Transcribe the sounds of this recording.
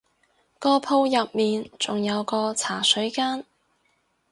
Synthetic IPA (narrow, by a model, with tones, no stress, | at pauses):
kɔː˧pʰo˧wjɐ˨p̚miː˨˩nt͡sʊ˨ŋjɐ˨˧wkɔː˧t͡sʰaː˨˩sɵ˨˥ɥkaː˥n